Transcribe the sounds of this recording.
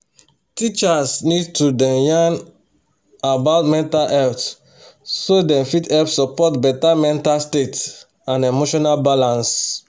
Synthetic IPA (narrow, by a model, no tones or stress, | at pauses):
tit͡ʃasnid̚tudɛ̃mjãn | abaʊtmɛ̃ntalɛlt | sodɛ̃mfitɛlpsɔpɔtbɛtamɛ̃ntalstet | ãnemoʃɔnalbalãns